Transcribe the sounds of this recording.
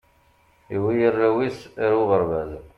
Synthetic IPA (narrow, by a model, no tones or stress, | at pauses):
iwijərːæwisɾuʁəɾvæz